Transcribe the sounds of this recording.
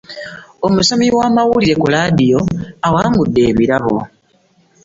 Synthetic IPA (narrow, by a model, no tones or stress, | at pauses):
o̞musomiwaːmawuliɾe̞kulaːdijo̞awaːŋɡudːe̞ːβiɾaβo̰